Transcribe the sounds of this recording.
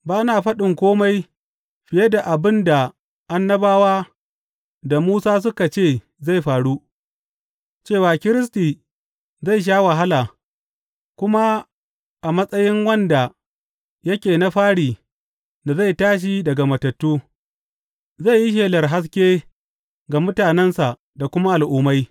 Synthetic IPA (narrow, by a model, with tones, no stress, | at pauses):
baː˦naː˨ɸɐ˦ɗɪ˨ŋkʷoː˦ma˦j | ɸɪ˨jɛ˦da˨ʔa˨bɪ˦nda˨ | ʔa˦nːɐ˦baː˦waː˦ | da˨muː˦saː˦s̬ʊ˦ka˨t͡ʃeː˦˨ | za˦˨jɸaː˨ɽu˦ | t͡ʃeː˦˨waː˨kʲɪ˦ɾɪ˦s̬tiː˨ | za˦˨jʃ̬aː˦wa˨ɦa˦laː˨ | kʷʊ˦ma˦ | ʔa˨mɐ˦sʼɐ˦jɪ˦ŋwɐ˦nda˨ | jɐ˦kʲeː˨na˦ɸaː˦ɽiː˨ | da˨za˦˨jtaː˦ʃ̬i˨dɐ˨ɡa˨mɐ˨tɐ˨tːuː˦ | za˦˨jji˦ʃ̬eː˨lɐ˨rɦa˦s̬kʲeː˦ | ɡa˨mʊ˦taː˨nɛ˦nsa˨ʔ | da˨kʷʊ˦ma˦ʔa˨lʔʊː˦ma˦j